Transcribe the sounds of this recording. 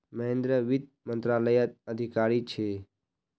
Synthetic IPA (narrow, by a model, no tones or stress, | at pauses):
məɦẽnd̪ɾəʋid̪̚ | mənt̪ɾaləjət̪̚əd̪ʱikaːɾit͡ʃʰe